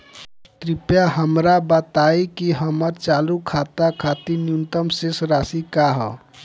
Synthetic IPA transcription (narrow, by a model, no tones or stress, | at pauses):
t̪ɾipjaɦəmɾabət̪aikiɦəməɾt͡ʃalukʰat̪akʰat̪injunt̪əmsesɾasikaɦə̰